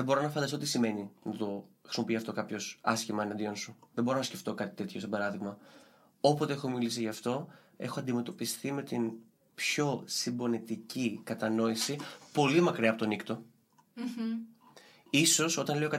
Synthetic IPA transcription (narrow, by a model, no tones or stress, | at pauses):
ðebo̞ɾo̞nɐfɐnd̪ɐst̪ot̪isime̞ninɐt̪o̞xɾisimopiɐft̪o̞kɐpço̞sɐsçimɐɐnɐd̪ionsuðebo̞ɾo̞nɐsce̞ft̪o̞kɐt̪i̥t̪e̞t̪ço̞sebɐɾɐðiɣmɐ | o̞pot̪e̞e̞xo̞milis̬iʝɐːft̪o̞ | e̞̰xoɐnd̪ime̞t̪o̞pist̪ime̞t̪in | pço̞simbo̞nit̪icikɐt̪ɐno̞isipo̞limɐkɾiɐpo̞t̪o̞nikt̪o̞ | iso̞so̞t̪ɐnle̞okɐ